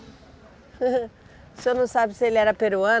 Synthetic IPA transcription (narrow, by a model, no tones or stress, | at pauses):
sɪenɐ̃w̃sabɪsɪelɪɛɾɐpeɾuɐ̃